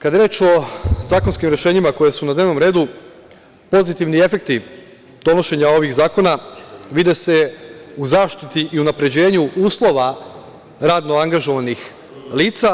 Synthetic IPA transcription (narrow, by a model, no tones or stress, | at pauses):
kad̪eɾe̞ːt͡ʃo̞zaːkonskimɾe̞ʃe̞ːɲimako̞jesunad̪neʋno̞mɾe̞ːd̪u | po̞zit̪iʋnie̞fe̞k̚t̪i | d̪̥o̞no̞ʃe̞ɲao̞ʋiɣzaːkonaʋid̪ese̞uzaːʃt̪it̪iʔiunapɾe̞d͡ʑe̞ːɲuʔuːslˠo̞ʋa | ɾaːd̪noaŋɡaʒo̞ʋanix | liːt̪sa